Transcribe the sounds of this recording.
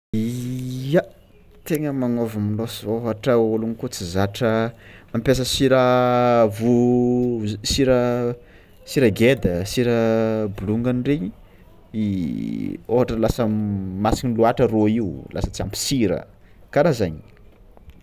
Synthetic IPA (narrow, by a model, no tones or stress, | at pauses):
ija | t̪eŋəmaŋovamilosoɦaʈ͡ʂəulunikut͡sizaʈ͡ʂəmampʲas̬əsiɾəvu | siɾə | siɾəɡed̪əsiɾəbuluŋɡaniɖ͡ʐeɲi | i | oɦaʈ͡ʂəlasəmasiniluaʈ͡ʂəroiulʔa̰sət͡sia̰mpi̥siɾə̰ | kaɾazaɲi̥